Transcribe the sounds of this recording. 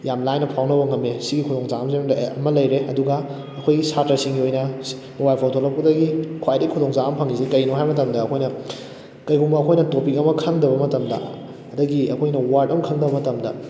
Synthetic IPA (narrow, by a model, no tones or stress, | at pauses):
jamlajnɐpʰawnɐbɐŋɐmesiɡikʰudoŋsamzemdɐ̰mɐlɐjɾeɐduɡɐː | kʰojɡisatɾɐsiŋɡiojnɐ | mobajlpʰawtʰolɐp̚kudɐɡikʰwajtikʰudoŋsaɐmpʰɐŋisikɐjnuɦajmɐtɐmdɐːkʰojnɐ | kɐjɡumbɐːkʰojnɐtopik̚ɐmɐkʰɐŋdɐbɐmɐtɐmdɐ̰ | ɐdɐɡiɐkʰojnɐwaɾtɐmɐkʰɐŋdɐbɐmɐtɐmdɐ